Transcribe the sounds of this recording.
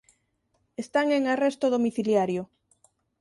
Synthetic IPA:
est̪aŋeŋarest̪oðomiθiljaɾjo

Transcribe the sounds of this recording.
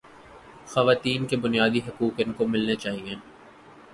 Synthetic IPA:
xɐʋaːt̪iːnkebʊnijaːd̪iɦɐkuːkɪnkomɪlnet͡ʃaːɦiẽː

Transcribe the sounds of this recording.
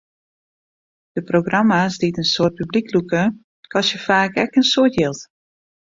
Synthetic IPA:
d̥əproɡramasditənsoət̚pybliklukə | kʰɔsjəfaːkɛkənsotjɪlˠt

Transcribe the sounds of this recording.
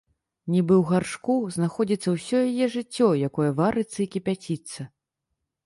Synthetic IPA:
nʲibɨwɣarʂkuznaxɔd͡zʲit̪sːɐwsʲɔjajɛʐɨt͡sʲːɔjakɔjɐvaɾɨt̪sɐikʲipʲat͡sʲit̪sːɐ

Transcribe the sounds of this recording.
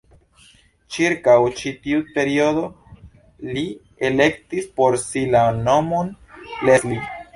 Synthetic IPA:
t͡ʃiɾkawt͡ʃitiupe̞ɾio̞do̞ | li | ele̞ktispo̞ɾsilanomon | lesli

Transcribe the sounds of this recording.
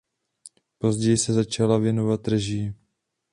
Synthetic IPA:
po̞zɟɛjɪsɛzat͡ʃalavjɛnovat̪̚rɛʒi

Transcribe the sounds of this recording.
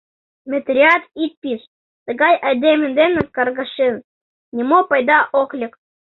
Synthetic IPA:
mʲet̪rʲiɑt̪it̪̚pʲiʃ | t̪ə̆ɡɑjʔɑd̪ʲemʲɘ̆nd̪enəkːɑrɣɑʃen | nʲimopɑjd̪ɑʔoklʲɘ̆k

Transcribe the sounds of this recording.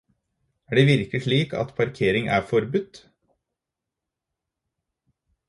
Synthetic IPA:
æːɖeːʋɪɾkəɪʂɭiːkɑ̰t̪pʰɑɾkʰeːɾɪŋæ̰ːfɔɾbʉt̪

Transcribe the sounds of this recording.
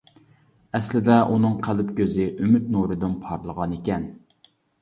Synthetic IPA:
ɛslɪd̪ɛʔunɨŋqʰælɪpkʲøzɪʔymyt̪̚nuɾɨd̪ɪnpʰɑɾlˠəʁɑnekʲɛn

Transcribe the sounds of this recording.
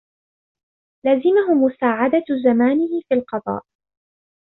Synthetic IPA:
laːzɪmaɦʊmʊsaːʕad̪azamaːnɪhɪfiːlqɑd̪ˤɑ̰ːʔ

